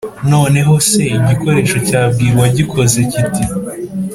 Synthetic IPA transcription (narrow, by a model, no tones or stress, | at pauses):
no̞ːne̞ɦo̞se̞iɟiko̞ɾe̞ːʃo̞caːb̚ɡiːɾɡwaɟikʰo̞ze̞citi